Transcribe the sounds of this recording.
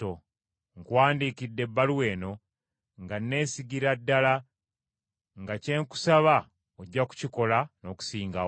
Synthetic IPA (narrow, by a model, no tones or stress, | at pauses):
o | ŋkwaːndikidːe̞bːaluwe̞ːno̞ | ŋɡanːe̞ːsiɡiɾadːala | ŋɡace̞ŋku̥saβa | oɟːaku̥ciko̞lano̞ːku̥siːŋɡa